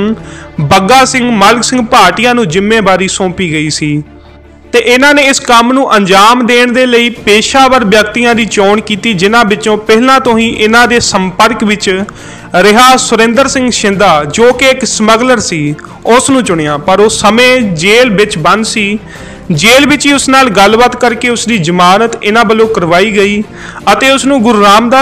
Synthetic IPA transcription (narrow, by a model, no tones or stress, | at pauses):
bəɡaːsɪ̃ŋɡməlksɪ̃ŋɡpaːʈɪjãːnũːd͡ʒɪmːẽːbaːɾiːsõːpiːɡəiːsiː | t̪eːʔɪnãːneːɪskəmnũːʔəɲd͡ʒaːmd̪eːɳd̪eːləiːpeːʃaːʋəɾʋjəkt̪ijãːd̪iːt͡ʃoːɳkiːt̪iːd͡ʒɪnãːbɪtːt͡ʃõːpɛɦlãːt̪õːĩːʔɪnãːd̪eːsəmpəɾkʋɪt͡ʃ | ɾɪɦaːsʊɾẽnd̪əɾsɪ̃ŋɡʃɪ̃nd̪aːd͡ʒoːkɪɪksəməɡləɾsiː | ʊsnũːt͡ʃʊɳjãːpəɾoːsəmẽːd͡ʒeːlbɪt͡ʃbənd̪siː | d͡ʒeːlbɪt͡ʃiːʊsnaːlɡəlʋət̪kəɾkeːʊsd̪iːd͡ʒəmaːnət̪ɪnãːbəlõːkəɾʋaːiːɡəiː | ət̪eːʊsnũːɡʊɾɾaːmd̪aː